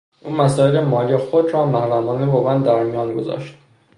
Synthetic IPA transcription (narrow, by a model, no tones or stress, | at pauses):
ʔuːmæsɒːelemɒːlijexod̪ɾɒːmæhɾæmɒːnevɒːɣæænd̪æɾmijɒːnɡo̞zɒ̰ːʃt̪